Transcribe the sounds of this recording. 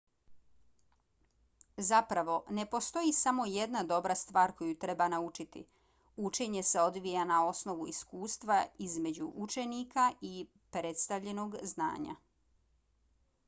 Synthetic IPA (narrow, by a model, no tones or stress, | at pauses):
zapɾaʋo̞ne̞po̞st̪o̞jisamo̞je̞d̪nad̪o̞bɾast̪ʋaːɾko̞jut̪ɾe̞banaut͡ʃit̪ḭ | ut͡ʃe̞ɲe̞se̞o̞d̪ʋijanao̞sno̞ʋuiskuːst̪ʋaizme̞d͡ʑṵʔut͡ʃe̞nikaʔi | pɾe̞t̪st̪aʋʎe̞no̞ɡzna̰ːɲa̰